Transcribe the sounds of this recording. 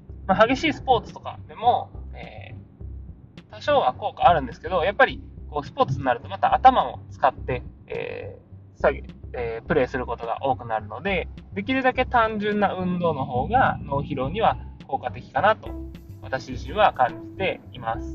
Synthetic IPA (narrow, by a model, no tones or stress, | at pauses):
maɦaɡe̞ɕiːsɨ̥po̞ːt͡sɨ̥t̪o̞ka̰d̪e̞mo̞ḛː | t̪aɕo̞ːβako̞ːkaːɾɯ̟̃nd̪e̞sɨ̥ke̞d̪o̞japːaɾʲiko̞ːsɨ̥po̞ːt͡sɨɲinaɾɯ̟t̪o̞mat̪aʔːt̪amamo̞̰t͡sɨ̥kat̪ːe̞ḛː | saɡeepɯ̟ɾe̞ːsɨɾɯ̟ko̞t̪o̞ɡa̰ʔo̞ːkɯ̟naɾɯ̟no̞d̪e̞d̪e̞kʲiɾɯ̟d̪ake̞t̪ãɲ̟d͡ʑɨ̃nːaɯ̟̃nd̪o̞ːno̞ɦo̞ːɡano̞ːçiɾo̞ːɲ̟iβako̞ːkat̪e̞kʲi̥kanat̪o̞βat̪aɕiʑĩɰ̃βakãɲ̟d͡ʑit̪e̞imasɨ̥